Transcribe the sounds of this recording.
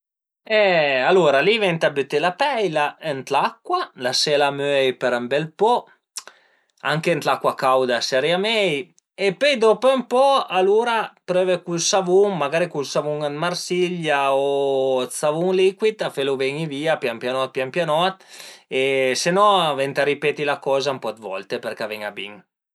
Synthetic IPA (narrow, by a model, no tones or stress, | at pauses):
ɛaluːɾalivɛnt̪abøt̪ːelapɛjlaənt̪lakːwalasɛːlamøɛjpeɾambɛlpɔ | aŋkeːnt̪lakwakawd̪asɛɾjamɛj | epøjd̪opompɔaluːɾapɾøːvekulsavuŋmaɡaːɾikulsavuŋad̪marsiʎjaot͡savuŋlikwit̪afeluvɛɲiviːapjampjanɔt̪̚pjampjanɔt̪esenɔvɛnt̪aɾipɛːt̪ilakɔːzampɔd̪vɔ̰lt̪eperkavɛŋabḭŋ